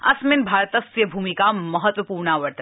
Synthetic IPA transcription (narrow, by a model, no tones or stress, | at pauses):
ɐ̰smɪnbʱaːɾt̪ɐsʋjɐbʱuːmikamɐɦət̪wəpuːɾɳaʋɐɾʈ̪